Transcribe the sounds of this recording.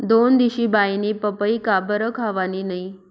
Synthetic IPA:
d̪ond̪iɕiːbainiːpəpəikabəɾəkʰaʋaniːnai

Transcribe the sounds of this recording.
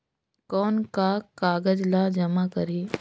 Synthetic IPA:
kɔːnkakaːɡəd͡ʒlad͡ʒɐmakɐɾiː

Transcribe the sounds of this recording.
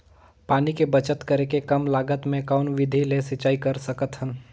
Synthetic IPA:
paːnikebət͡ʃət̪kəɾekekɐmlaːɡət̪mẽkɔːnʋɪd̪ʱilesɪt͡ʃaːikɐɾsəkət̪ɦən

